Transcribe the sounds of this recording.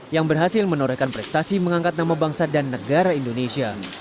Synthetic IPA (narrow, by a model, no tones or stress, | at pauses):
jaŋbərɦasɪlmənoɾɛkanpɾɛst̪asiməŋaŋkat̪̚namabaŋsadanːəɡaɾaindonesia